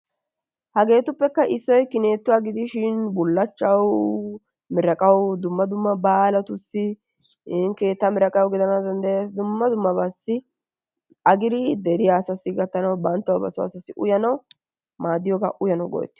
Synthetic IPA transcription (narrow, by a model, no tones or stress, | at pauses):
hɐɡe̞ːt̪ʊpːɛkːɐʔɪsːɔjkɪneːt̪ːʊwaːɡɪd̪ɪʃɪnbʊlːɐt͡ʃːɐw | mɪɾɐkʼɐwd̪ʊmːɐd̪ʊmːɐbaːlɐt̪ʊsːɪ | ɪŋkeːt̪ːɐmɪɾɐkʼɐwɡɪd̪ɐnazɐnd̪ɐjasd̪ʊmːɐd̪ʊmːɐbasːɪ | ɐɡɪd̪ɪd̪ɛɾɪjaːsɐsɪɡɐt̪ːɐnɐwbɐnt̪ːɐwbɐsʊa̰sɐsɪʔʊjɐnɐw | maːd̪ɪjɔːɡa̰ʔʊjɐnɐwɡɔ̰jɛ̰t̪ːɪ̥